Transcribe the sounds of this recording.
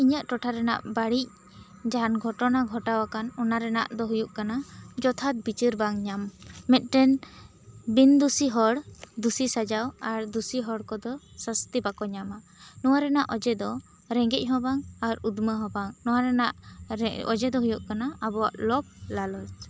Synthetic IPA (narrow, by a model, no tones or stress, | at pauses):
iɲəʔʈɔʈʰaɾɛna̰ʔbaɽic̚ | d͡ʒanɡʱɔʈɔnaɡʱɔʈawakanɔnaɾɛna̰ʔd̪ɔɦujuʔkanad͡ʒɔt̪ʰat̪̚bit͡ʃiɾbaŋɲamːɛt̪̚ˀʈɛn | bind̪usiɦɔɽd̪usisad͡ʒawaɾd̪usiɦɔɽkɔd̪ɔsəst̪ibakɔɲama | nɔwaɾɛnaʔɔd͡ʒɛd̪ɔ | ɾɛŋɡɛc̚ˀɦɔbaŋaɾud̪məɦɔ̃baŋnɔwaɾɛnaʔ | ɔ̰d͡ʒɛd̪ɔɦujuʔkanaabɔwa̰ʔlɔb̚lalɔd͡ʒ